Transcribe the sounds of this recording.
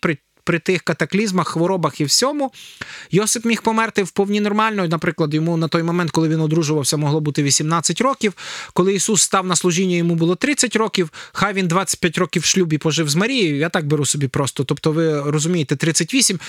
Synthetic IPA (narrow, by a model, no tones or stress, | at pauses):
pɾɪ | pɾɪt̪ɪxkɐt̪ɐklʲizmɐxːʋɔɾɔbɐxiwsʲɔmʊjɔsɪpmʲixpɔmɛrt̪ɪwpɔwnʲinɔrmɑlʲnɔjnɐpɾɪklˠɐd̪jɔmunɐt̪ɔjmɔmɛnt̪̚kɔlˠɪʋʲinɔd̪ɾuʒʊʋɐwsʲɐmɔɦlˠɔbut̪ɪʋʲisʲimnɑt͡sʲːɐtʲɾɔkʲiwkɔlˠɪisusːt̪ɑwnɐslˠʊʒʲinʲːɐjɔmubʊlˠɔt̪ɾɪt͡sʲɐtʲɾɔkʲiwxɑjʋʲind̪ʋɑt͡sʲɐ̥t̚ʲpʲjatʲɾɔkʲiwʃlʲubipɔʒɪwzmɐɾʲijijat̪ɑk̚beɾusɔbʲipɾɔst̪ɔt̪ɔpt̪ɔʋɪɾɔzʊmʲijet̪ɛt̪ɾɪt͡sʲːɐtʲʋʲisʲim